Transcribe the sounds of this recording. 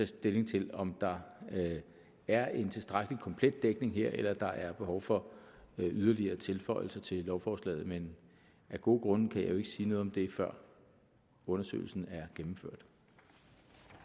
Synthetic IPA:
ɛsd̥e̝le̝ŋt͡sʰe̝lɒ̽md̥ɑ̈ | æɐe̝nt͡sʰe̝lsd̥ʁaɡ̥likʰɒ̽mpʰled̥̚ːeɡ̥ne̝ŋɦeɐ̰ʔelɐd̥ɑ̈ʔæɐb̥e̝ɦɒʊfɒ̽ | yð̞ˠɐliɐːt͡sʰe̝lfɒ̽ɪ̰l̩sɐt͡sʰe̝llːɒʊfɒːslɛ̰ːð̞̩ˠmen | ʔæɡ̥o̝̰ːɡ̥ʁɔ̽nkʰæjɑ̈ɪjo̝e̝ɡ̥siːnɔð̩ˠɒmd̥e̝fɶɐ̰ | ɔ̽nɐsø̰ːɪl̩sn̩æɐɡ̥emm̩føɐ̰d̥

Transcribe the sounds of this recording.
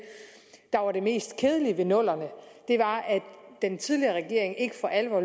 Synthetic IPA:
d̥ɑ̈ʋɑ̈ɾ̥e̝me̝̰ːsd̥kʰeːð̞ˠəliʋe̝nɔ̽l̰ɐnəd̥e̝ʋɑ̈æd̥ent͡sʰið̞ˠliɐʁɛɡ̥e̝ɐ̰eŋe̝ɡ̥əfɒ̽ʔælʋɒ̰ː

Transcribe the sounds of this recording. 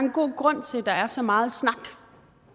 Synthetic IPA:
enɡ̥o̝̰ːɡ̥ʁɔ̽n̰t͡sʰe̝ld̥ɑ̈æɐsɒ̽mɑ̈ːð̞̩ˠsnɑ̈ɡ̥

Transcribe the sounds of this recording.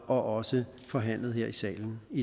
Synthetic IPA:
ɒ̽ʔɒ̽sə | fɒ̽ɦæn̰lð̞̩ˠheɐ̰isɛ̰ːln̩i

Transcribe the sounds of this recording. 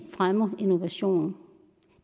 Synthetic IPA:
fʁamɐino̝ʋæɕo̝̰ːnn̩

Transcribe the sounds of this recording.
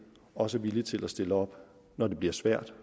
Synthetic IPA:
ɒ̽səʋilit͡sʰe̝læsd̥e̝ləɒ̽b̥ | nɒd̥e̝b̥liɐsʋæɐ̰d̥

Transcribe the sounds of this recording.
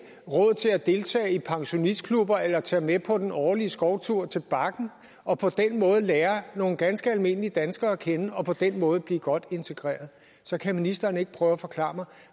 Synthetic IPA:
ʁɔð̞̰ˠt͡sʰe̝læd̥e̝lt͡sʰɛ̰ːɪipʰɑ̈ŋɕo̝nisd̥̚kʰlub̥ɐʔelɐt͡sʰɛːmepʰɒ̽d̥enɒːliəsɡ̥ɒʊt͡sʰuɐ̰t͡sʰe̝lb̥ɑ̈ɡ̥n̩ | ɒ̽pʰɒ̽d̥enmɔ̽ːð̞̩ˠəlɛːɐno̝ːn̩ɡ̥ænsɡ̥əælme̝n̰əlid̥ænsɡ̥ɐːkʰenəɒ̽pʰɒ̽d̥enmɔ̽ːð̞̩ˠb̥lḭːɡ̥ɒ̽d̥e̝nt͡sʰe̝ɡ̥ʁɛ̰ːɐðˠ | sɒ̽kʰæminisd̥ɐːne̝ɡ̥̚pʰʁœːʊæfɒ̽kʰlɑ̰̈ːmɑ̈ɪ

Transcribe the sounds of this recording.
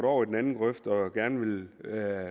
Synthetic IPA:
ɾɒʊ̰id̥en̩ænn̩ɡ̥ʁœfd̥ɒ̽ɡ̥æɐnəʋe̝l

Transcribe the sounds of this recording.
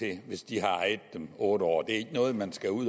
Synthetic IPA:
e̝ʋe̝sd̥iɦɑ̈ɑɪð̩ˠd̥emɔːɾ̥əɒ̰ːd̥e̝æɐe̝ɡ̥ənɔ̽ːð̩ˠmænsɡ̥æuð̰ˠ

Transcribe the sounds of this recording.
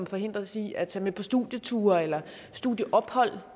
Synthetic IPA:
mfɒ̽ɦe̝n̰d̥ʁɐsiæt͡sʰɛːmepʰɒ̽sd̥uðˠjət͡sʰṵːɐelɐ | sd̥uðˠjəʔɒ̽b̥hɒ̽l̰

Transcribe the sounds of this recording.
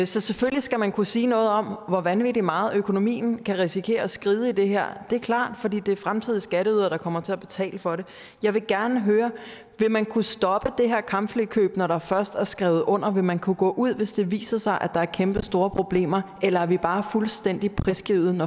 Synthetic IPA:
sɒ̽seføllisɡ̥æmænkʰusiːnɔ̽ːð̩ˠɒ̽m̰ʋɒʋænʋidimɑ̈ːð̩ˠøkʰo̝no̝mḭːn̩kʰæʁisikʰe̝̰ːɐɒ̽sɡ̥ʁiːð̞ˠəid̥e̝ɦeɐ̰d̥e̝ɐkʰlɑ̰̈ːd̥fɒ̽d̥ḭːd̥e̝æɐfʁamt͡sʰiðˠisɡ̥æɾəyð̰ˠɐɾ̥ɑ̈kʰɒ̽m̰ɐt͡sʰe̝æb̥e̝t͡sʰɛ̰ːləfɒ̽ɾe̝ | jɑ̈ɪʋe̝ɡ̥æɐnəɦøːɐ | ʋe̝mænkʰusd̥ɒ̽b̥əd̥e̝ɦeɐ̰kʰɑ̈mb̥flykʰø̰ːb̥nɒɾɑ̈fɶɐsd̥æɐsɡ̥ʁɛʊð̩ˠʔɔ̽n̰ɐʋe̝mænkʰuɡ̥ɔ̰ːʔuð̞̰ˠʋe̝sd̥e̝ʋḭːsɐsɑ̈ɪʔæd̥ɑ̈æɐkʰemb̥əsd̥o̝ːɐpʰʁo̝b̥le̝̰ːmɐʔelɐæɐʋib̥ɑ̈ːfulsd̥en̰d̥ipʰʁɛsɡ̥ʁiʊð̩ˠnɒ

